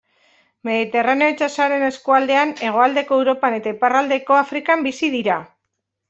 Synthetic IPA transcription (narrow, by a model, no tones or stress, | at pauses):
me̞ðit̪e̞rane̞oit͡sasaɾe̞ne̞skuald̪e̞ane̞ɣ̞o̞ald̪e̞ko̞ewɾo̞pane̞t̪aiparald̪e̞ko̞afɾikambisiðiɾa